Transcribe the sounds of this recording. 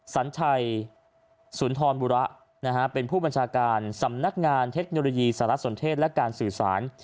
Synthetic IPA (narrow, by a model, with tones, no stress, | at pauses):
sa˩˦nt͡ɕʰa˧j | su˩˦nt̪ʰɔː˧nbuː˧ɾa˦˥ʔ | na˦˥kʰa˦˥pe˧npʰuː˥˩ba˧nt͡ɕʰaː˧kaː˧nsa˩˦mna˦˥k̚ŋaː˧nt̪ʰe˦˥k̚noː˧loː˧jiː˧saː˩˦ɾa˦˥ʔso˨˩˦nt̪ʰeː˥˩t̪̚lɛ˦˥kaː˧nsɯː˨˩saː˩˦n